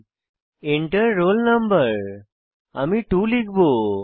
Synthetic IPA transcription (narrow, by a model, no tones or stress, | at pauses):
eɳʈəɾːolnəmbəɾ | a̰miʈuliɡbo